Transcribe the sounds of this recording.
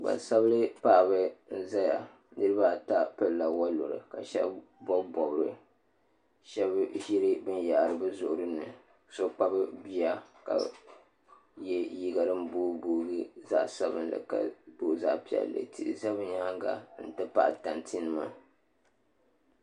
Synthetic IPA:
ɡ͡ba̰˨sa˦blɨ˦pa˦ʔbɨ˦n̩˦za˦ja˨ | nɨ˦ɾɨ˦ba˦ta˦pɨ˦lla˨wa˦lo˨ɾɨ̰˨ka˨ʃɛ̰˦b | bɔ˦bɔ˨bɨ˨ɾɨ˨ | ʃɛ˦bʒi˦ɾɨ˦bɨ˦nja˨ʔɾɨ˨bɨ˦zʊ˨ʔʊ˨ɾɨ˦nɨ˨ | so˦k͡pa˦bɨ˦bi˦a˦ka̰˨ | jɛ˦ji˦ɡa˨ɾɨ˦m˦buː˦buː˦ɡɨ˦za̰˦ʔsa˦bɨ̰˦nlɨ̰˨ka̰˨do˦˨za̰˦ʔpi˦ɛ̰˨llːɨ̰˨tḭ˦˨za˦bɨ˦ɲa˦ha˦ŋɡa̰˨˦n̩˨tɨ˦pa̰˦ʔta˨ntʰi˦nɨ˦ma̰˦

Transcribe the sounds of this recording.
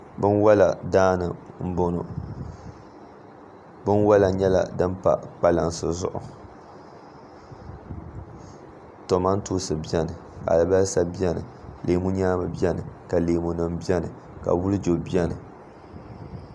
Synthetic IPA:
bɨ˦nwa˦la˨daː˦nɨ˨m̩˦bo˦nʊ̰˨ | bɨ˦nwa˦la˨ɲɛ˦la̰˨dɨ˦mpa̰˨k͡pa˦la˨nsɨ˨zʊ̰˦ʔʊ̰˨ | to˨ma˦n̩˦tuː˦sɨ˨bi˦ɛ˦nɨ˨ka̰˨lɨ˨ba˦lsa˦bi˦ɛ˦nɨ̰˨leː˨mu˦ɲaː˦ma˨bi˦ɛ˦nɨ˨ka˨leː˨mu˨nɨ˨mbi˦ɛ˦nɨ˨ | ka̰˨wʊ˦lɨ˦d͡ʒo˨bi˦ɛ˦nɨ˨

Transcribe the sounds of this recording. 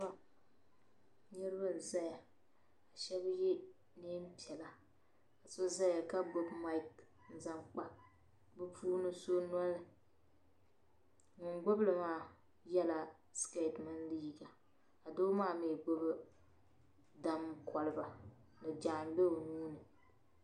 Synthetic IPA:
a˦ | ɲɨ˦ɾɨ˦ba˦n̩˨za˦ja˨ | a˨ʃɛ˦bje˦ | ne˦m̩˦pi˨ɛ˨la˨ | a˨so˦za˦ja˨ka˦bʊ˦bma˦ɪ˦k | n̩˦za˦mk͡pa˦ | bɨ˦pʰuː˦nɨ˦so˦n˦ɔ˦lɨ˨ | ŋʊ˨ŋɡ͡bʊ˦blɨ˨maː˦ | jɛ˦la˨ | ske˦˨tma˦nliː˦˨ɡa˨ | a˨doː˦maː˦meː˨ɡ͡bʊ˦bɨ˦ | da˦m˦kʰɔ˨lɨ˦˨ba˨ | nɨ˨d͡ʒaː˨ŋbe˦o˨nuː˦nɨ˨

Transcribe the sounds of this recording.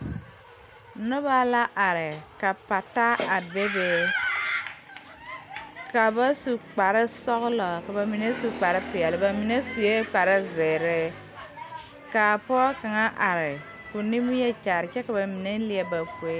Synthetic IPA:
nɔ˦ba˦la˦ʔa˨ɾɪ˨ka˨pa˨ta˦a˨be˦be˦ | ka˨ba˦su˨k͡pa˨ɾɪ˦sɔ˦ɣʊ˦lɔ˨ka˨ba˨mi˨ne˦su˨k͡pa˨ɾɪ˦pɪ˨ɛ˨lɪ˨ba˨mi˨ne˦su˨je˦k͡pa˨ɾɪ˦zɪː˨ɾɪ˦ | ka˨pɔː˦ka˨ŋa˦ʔa˨ɾɪ˨ | ku˨ni˦mu˦jɛ˦t͡ʃa˨ɾɪ˨t͡ʃɛ˦ka˨ba˨mi˨ne˦lɪ˦ɛ˦ba˨ke˦

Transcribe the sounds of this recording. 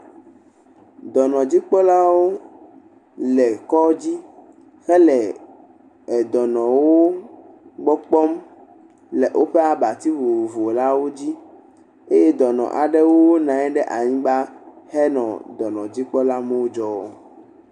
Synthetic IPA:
d̪ɔ˨nɔ̃˨d͡ʑi˦k͡pɔ˦la˦wo˦ | lɛ˨kɔ˦d͡ʑi˦ | xɛ˦lɛ˨ | ɛ˨d̪ɔ˨nɔ̃˨wo˦ | ɡ͡bɔ˦k͡pɔ˦m | lɛ˨ʔo˦ɸɛ˦a˨ba˨t̪i˦vo˨vo˨vo˨la˦wo˦d͡ʑi˦ | e˦jɛ˦d̪ɔ˨nɔ̰̃˨ʔa̰˨ɖɛ˦wo˦nã˨ɛ˦ɖɛ˦ʔa˨ɲĩ˦ɡ͡ba˦ | hɛ˦nɔ̃˨d̪ɔ˨nɔ̃˨d͡ʑi˦k͡pɔ˦la˦me˦wo˦d͡ʒɔ˦˨

